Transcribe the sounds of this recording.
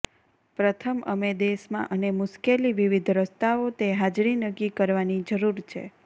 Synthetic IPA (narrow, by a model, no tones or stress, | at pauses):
pɾət̪ʰəmʔə̰med̪eʃmã̰ʔənemʊʃkeliʋiʋid̪ʱɾəst̪aot̪eɦad͡ʒɾinəkːikəɾʋanid͡ʒəɾuɾt͡ʃʰḛ